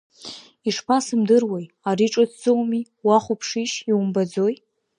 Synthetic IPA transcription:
iʂpʰasɨmdɨrwaj | aɾiʈ͡ʂʼatʰd͡zowmi | waχʷupʰʂiʃiwumbad͡zo̞j

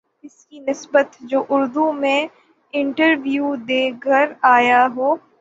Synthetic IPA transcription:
ɪskinɪsbət̪d͡ʒoːʔʊɾd̪umẽ | ɪ̃ɳʈəɾʋjuːd̪eːkəɾaːjaɦoː

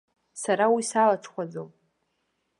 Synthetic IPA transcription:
saɾawisalat͡sʰχʷad͡zom

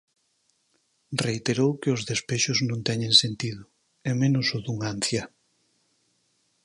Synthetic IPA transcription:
reit̪eɾowkɪʊzðespeʃʊznõnt̪ɛɲẽŋsent̪iðʊ | ɛmenʊsʊðuŋan̟θja

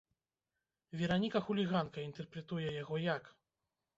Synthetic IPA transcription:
vʲɛɾanʲikɐxulʲiɣankɐint̪ɛrpɾɛt̪ujɛjaɣɔjak

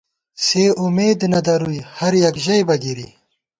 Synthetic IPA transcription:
seːumeːd̪nɐd̪ɐɾujhɐɾjɐkʑɐjbɐɡiɾḭ

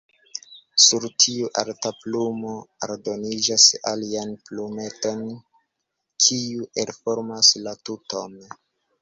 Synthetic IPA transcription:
suɾtʰiuʔaɾtaplumo̞a̰ɾdo̞nid͡ʒasa̰lianplume̞to̞n | kʰiuʔelfo̞ɾmaslatuton

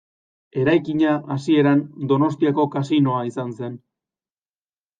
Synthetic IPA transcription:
e̞ɾajkiɲaasie̞ɾand̪o̞no̞st̪iako̞kasino̞aisanse̞n

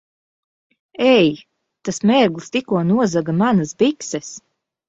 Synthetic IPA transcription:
ɛj | t̪asmɛɾɡlˠst̪ikuɔnuɔzaɡamanasbiksɛs

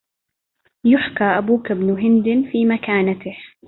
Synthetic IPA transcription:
jʊħkaːʔabuːkabnʊɦɪnd̪ɪfiːmakaːnat̪ɪh

